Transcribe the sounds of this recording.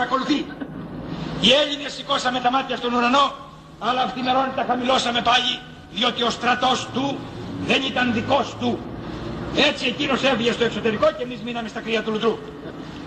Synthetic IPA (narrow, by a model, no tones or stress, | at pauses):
ɾɐko̞luθi | ieʎinesːiko̞sɐme̞t̪ɐmɐt̪çɐst̪o̞nuɾɐno̞ | ɐlɐːft̪imeɾo̞nit̪ɐxɐmilo̞sɐme̞pɐʎi | ðio̞t̪io̞st̪ɾɐt̪o̞st̪uðe̞nit̪ɐnðiko̞st̪u | e̞t͡sie̞cino̞seviʝest̪o̞e̞kso̞t̪e̞ɾiko̞cemizminɐme̞st̪ɐkɾiɐt̪ulut̪ɾu